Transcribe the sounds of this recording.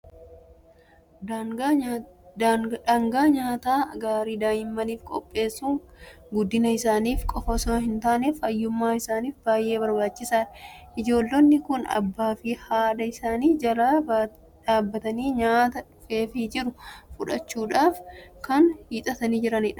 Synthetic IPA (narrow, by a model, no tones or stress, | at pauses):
ᶑɐŋɡaːɲaːt̪aːɡaːɾiːd̪aːjɪmːɐniːfkʼɔ̰pʼːe̞ːsːuŋɡʊd̪ːɪnɐɪsaːniːfkʼɔfɐsɔmɐhɪnt̪aːneːfɐjːʊmːaːɪsaːniːfbaːjʔe̞ːbɐɾbaːt͡ʃːɪsaːᶑɐʔɪd͡ʒo̞ːlːɔnːɪkʊnɐ̰bːaːfihaːd̪ɐɪsaːniːd͡ʒɐɾaː | ᶑaːbːɐt̪ɐniːɲaːt̪ɐ | feːfid͡ʒɪɾʊfʊᶑɐt͡ʃːuːᶑaːfkɐnhiːt̪ʼɐt̪ɐniːd͡ʒɪɾɐnɪᶑɐ̥